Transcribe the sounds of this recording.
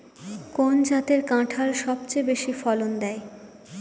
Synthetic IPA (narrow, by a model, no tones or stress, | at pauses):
kond͡ʑat̪eɾkãʈʰaɾʃɔbt͡ɕejbeʃifɔlond̪ɛe